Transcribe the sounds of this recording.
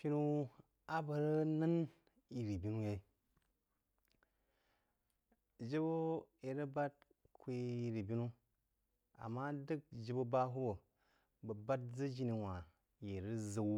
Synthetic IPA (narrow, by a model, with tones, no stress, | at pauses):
ʃi˦nu˦ | a˦bə˨ɾə˦nə˦n | i˨ɾi˨bi˦nu˦je˨˦ | d͡ʒi˦bo˦e˨ɾə˦ba˦t̚ | kʰʷe˦i˨ɾi˨bi˦nu˦ | a̰˨mːa˦də˦k̚d͡ʒi˦bo˦ba˦ɦu˦bo˨ | bə˨ba˦t̚d͡zə˦d͡ʒi˦ni˨wa˨ | je˨ɾə˦zə˨w